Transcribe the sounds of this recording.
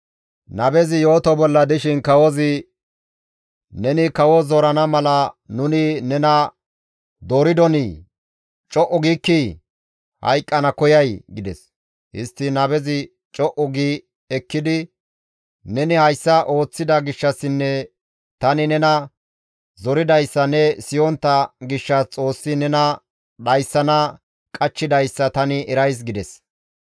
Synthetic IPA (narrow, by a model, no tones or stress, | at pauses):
nɐbɛzɪjo̞ːt̪ɔbɔlːɐd̪ɪʃɪnkɐwɔzɪ | nɛnɪkɐwɔzɔɾɐnɐmɐlɐnʊnɪnɛnɐ | d̪oːɾɪd̪ɔni | t͡ʃʼɔʔɔɡiːkːi | hɐ̰jkʼːɐnɐkɔjɐjɡɪd̪ɛ̰s | hɪ̰st̪ːɪnɐbɛzɪ | t͡ʃʼɔʔɔɡiː | ɛkːɪd̪ɪ | nɛnɪhɐjsːɐʔo̞ːt͡sːɪd̪ɐɡɪʃːɐsɪnːɛ | t̪ɐnɪnɛnɐ | zɔɾɪd̪ɐjsːɐnɛsɪjɔnt̪ːɐɡɪʃːɐst͡sʼo̞ːsːɪnɛnɐ | d̪ɐjsːɐnɐ | kʼɐt͡ʃːɪd̪ɐjsːɐt̪ɐnɪɛɾɐjs̬ɡɪd̪ɛs